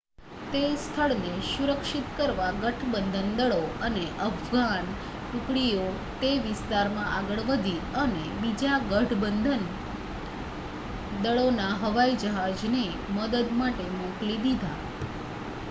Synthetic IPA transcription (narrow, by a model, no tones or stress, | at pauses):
t̪est̪ʰəɭnesuɾəkʃit̪kəɾʋaɡəʈʰbənd̪ʱənd̪əɭoəneʔəbɡan | t̪ukɭijo | t̪eʋɪst̪aɾmãʔaɡəɭʋəd̪ʱiəne | bid͡ʒaɡəʈʰbənd̪ʱən | d̪əɭonaɦəʋaid͡ʒəɦad͡ʒne | məd̪əd̪maʈemõklid̪id̪ʱa